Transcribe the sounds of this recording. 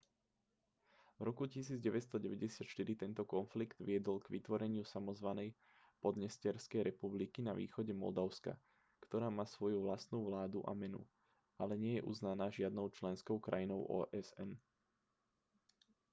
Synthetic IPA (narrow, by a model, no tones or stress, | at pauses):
vɾɔkucisiːd͡zɟɛʋɛt̪t͡sst̪ɔɟɛʋɛɟɛsɪat̪ʃt̪iɾit̪ɛnt̪ɔkɔnfliɡd̪ʋɪɛd̪ɔlɡʋit̪ʋɔɾɛɲɪusamɔzʋanɛj | pɔd̪ɲɛscɪɛɾskɛjɾɛpublikinaʋḭːxɔɟɛmɔ̰ld̪aʊska̰ | kt̪ɔɾaːmaːsʋɔjuʋlast̪nuːʋlaːd̪uʔa̰mɛnṵ | ʔalɛɲɪɛjɛʔṵznanaːʒɪad̪nɔʊt͡ʃlɛnskɔʊkɾa̰jinɔʊʔɔ̰ːʔɛzɛn